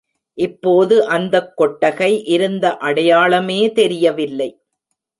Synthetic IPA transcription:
ʔɪpːoːðɯʔɐnd̪ɐkːɔʈːɐɣɐɪʔɪɾɯnd̪ɐʔɐɽɐjaːɭɐmeːt̪ɛɾɪjɐʋɪlːɐɪ

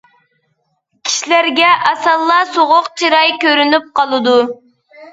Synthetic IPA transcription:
kʲʰi̥ʃilæɾɡʲɛʔɑsɑlˠːɑsoʁʊqt͡ʃʰiɾɑjkʲøɾynyp̚qʰɑlˠɨd̪u

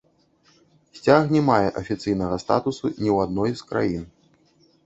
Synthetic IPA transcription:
sʲt͡sʲaxnʲɛmajɛʔɐfʲit̪sɨjnɐɣɐst̪a̰t̪usunʲiwad̪nɔjskɾa̰jin

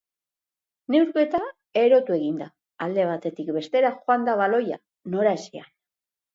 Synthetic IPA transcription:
ne̞wɾβe̞t̪a | e̞ɾo̞t̪ue̞ɣind̪aː | ld̪e̞β̞at̪e̞t̪ikbe̞st̪e̞ɾaxoand̪aβalo̞ja̰ | no̞ɾaesian

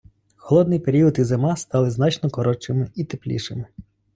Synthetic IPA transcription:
xɔlˠɔd̪nɪjpeɾʲiɔd̪izemɑst̪ɑlˠɪznɑt͡ʃnɔkɔɾɔt͡ʃɪmɪit̪eplʲḭʃɪmɪ

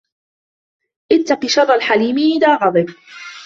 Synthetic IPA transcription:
ʔɪt̪ːaqiʃɑrˤalħaliːmiʔɪðaːɣɑðˤɨb

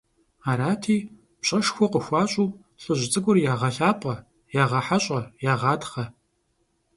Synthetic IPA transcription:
aːɾaːtʰiː | pɕʼɐʂxʷɔqəxʷɑːɕʼuw | ɬʼɨʑʷɪt͡sʼɨɡʷʊrjaːʁɐɬaːpʼɐ | jaːʁɐħaɕʼɐjaːʁɑːtχɐ

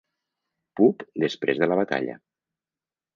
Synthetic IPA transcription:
pupd̪əspɾezðəlaβ̞at̪a̰ʎə̰

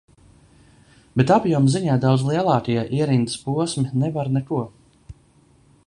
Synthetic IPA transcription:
bet̪apjuɔmziɲaːd̪awd̪zlˠiɛlˠɑːkajaʔiɛɾind̪spuɔsminɛvaɾnɛkuɔ

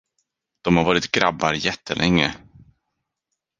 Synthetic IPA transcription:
d̪̥ɔmhaɾvɑːɾɪt̪ɡɾabːaɾjɛt̪ʰːəlʔɛŋːə̰

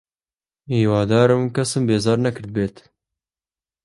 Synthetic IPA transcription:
iːwɑːd̪ɑːɾɨmkɐsɨmbeːzɑːɾnɛkɨɾd̪̚beːt̪

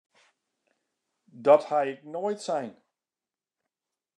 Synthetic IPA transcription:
dɔthajɪk̚noːjtsɛjn

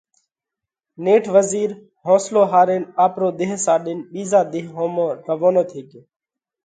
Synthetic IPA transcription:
neːʈʰʋəziːɾ | hõːsloːɦaːɾeːnaːpɾoːd̪eɦsaːɗɪnɓiːzaːd̪ɪɦɦoːmoːɾəʋoːnoːt̪ʰeːkeː

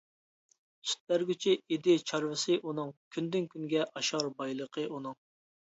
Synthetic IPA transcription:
sy̥t̪̚bæɾɡʲyt͡ʃʰied̪ɪt͡ʃʰɑɾvɨsɨʔunɨŋkʲʰynd̪ynkʲʰyŋɡʲɛʔɑʃɑɾbɑjlˠəqʰəunɨŋ

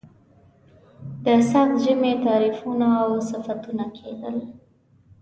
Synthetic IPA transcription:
d̪əsaxt̪ʒəmet̪ɑɾifunaːwsɪfat̪unakʰed̪əl

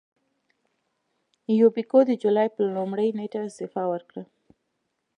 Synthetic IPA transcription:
jobikod̪əd͡ʒulɑjpəlumɽəjneʈaɪst̪ɪfɑwəɾkɽə

